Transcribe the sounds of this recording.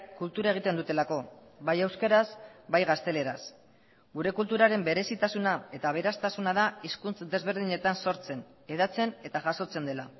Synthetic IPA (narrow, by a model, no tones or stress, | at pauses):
kult̪uɾae̞ɣ̞it̪e̞nd̪ut̪e̞lako̞βajewskeɾazbajɣast̪e̞le̞ɾas | ɡuɾe̞kult̪uɾaɾe̞mbe̞ɾe̞sit̪asunae̞t̪aβ̞e̞ɾast̪asunaðaiskunt͡sd̪e̞zβ̞e̞ɾðiɲe̞t̪anso̞ɾt͡se̞n | e̞ðat͡se̞ne̞t̪aʝaso̞t͡se̞nd̪e̞la